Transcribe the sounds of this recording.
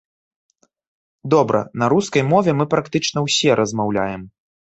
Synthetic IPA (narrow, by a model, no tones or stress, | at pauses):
d̪ɔbɾɐ̰nɐɾuskɐjmɔvʲɛmɨpɾakt̪ɨt͡ʂnɐwsʲɛɾʔɐzmawlʲajɛm